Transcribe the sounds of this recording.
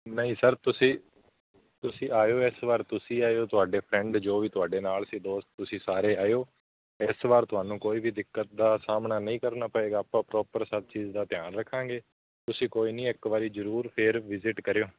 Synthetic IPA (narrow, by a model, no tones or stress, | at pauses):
nəĩːsəɾt̪ʊsĩː | t̪ʊsĩːaːjoːɪsʋaːɾt̪ʊsĩːaːjoːt̪ʊaːɖeːpʰɾɛ̃ɳɖd͡ʒoːʋiːt̪ʊaːɖeːnaːlsĩːd̪oːst̪̚t̪ʊsĩːsaːɾeːaːjoː | ɪsʋaːɾt̪ʊaːnũːkoːiːʋiːd̪ɪkːət̪̚d̪aːsaːmnaːnəĩːkəɾnaːpəeːɡaːpãːpɾɔːpəɾsəb̚t͡ʃiːzd̪aːt̪ɪjaːnɾəkʰːãːŋɡeː | t̪ʊsĩːkoːiːnĩːɪkʋaːɾiːzəɾuːɾpʰɪɾʋɪzɪʈkəɾejoː